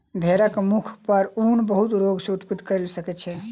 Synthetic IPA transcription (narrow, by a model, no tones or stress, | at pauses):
bʱeɾəkmukʰpəɾunbəɦut̪ɾoɡsẽut̪pid̪kəɪlsəkɛt͡ʃʰɛ